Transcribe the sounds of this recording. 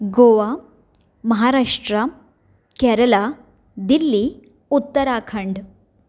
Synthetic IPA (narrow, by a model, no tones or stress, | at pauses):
ɡoʋa | məɦaɾaʂʈɾa | kɛɾəla | d̪ilːiː | ut̪ːəɾakʰəɳɖ